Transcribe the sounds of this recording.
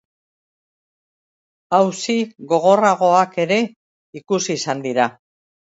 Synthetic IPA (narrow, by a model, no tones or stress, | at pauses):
awsiɣo̞ɣ̞o̞raɣ̞o̞ake̞ɾe̞ | ikusiːsand̪iɾa